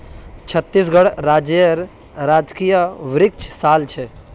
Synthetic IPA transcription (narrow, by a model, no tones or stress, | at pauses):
t͡ʃʰət̪ːis̬ɡəɽɾad͡ʒɾ | ɾad͡ʒkijəʋɾɪk̚t͡ʃʰsalt͡ʃʰɛ